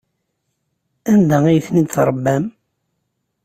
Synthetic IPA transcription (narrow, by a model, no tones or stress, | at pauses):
ænd̪æijθnid̪θɾˤəbːæm